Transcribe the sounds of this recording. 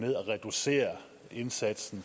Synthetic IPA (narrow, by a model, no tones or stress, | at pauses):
meðˠæʁɛd̥use̝̰ːɐ | e̝nsæd̥sn̩